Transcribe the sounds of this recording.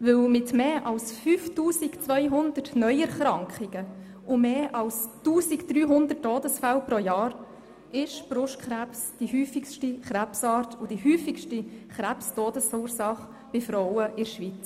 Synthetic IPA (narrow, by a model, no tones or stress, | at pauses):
ʋɵlmɪtmeːʔɑlsfyːftuːsikt͡svœjɦʊndərtnœʏɛɾχɾɑŋkχiɡ̥ə | ʊmeːʔɑlstuːsikd̥ɾyːɦʊnd̪ətːɔːdəsfælpɾɔjɑːɾ | ʔɪʃb̥ɾʊʃtkχɾæpsd̥ihyːfikʃtiχɾæpsɑːɾtʰʊd̥ihyːfikʃtiχɾæpstɔːdəsuːɾsɑχ | b̥ɪfɾɔwəʔɪɾʃʋit͡s